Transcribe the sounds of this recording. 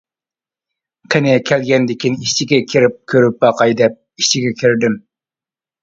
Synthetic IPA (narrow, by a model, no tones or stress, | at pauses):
qʰɪnɪkʲʰɛlɡʲɛnd̪ɪkʲiniʃt͡ʃʰiɡʲɛkʲʰiɾɪp̚kʲʰøɾyp̚bɑqɑjd̪ɛp̚iʃt͡ʃʰiɡʲɛkʲʰiɾd̪ɪm